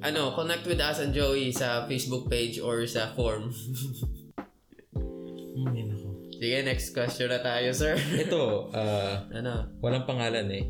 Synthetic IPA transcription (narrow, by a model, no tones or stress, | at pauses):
ʔɐno̞konɛk̚t̪̚wɪd̪asɐnd͡ʒoisɐfejsbʊk̚pejd͡ʒɔɹsɐfoɹm | inɐkosɪɡɛnɛkskwɛst͡ʃɔnɐt̪aːjosɛɹʔɛt̪oʔaːʔɐnowɐlaŋpɐŋaːlɐnɛ